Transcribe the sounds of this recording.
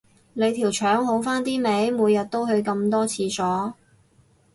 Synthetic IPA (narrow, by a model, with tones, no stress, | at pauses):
le˨˧jt̪ʰiː˨˩wt͡ʃʰœː˨˥ŋɦo˨˥wfaː˥nt̪iː˥me˨˥jmuː˨˧jːɐ˨t̚t̪o˥wɦɵ˧ɥkɐ˧mt̪ɔː˥t͡sʰiː˧sɔː˨˥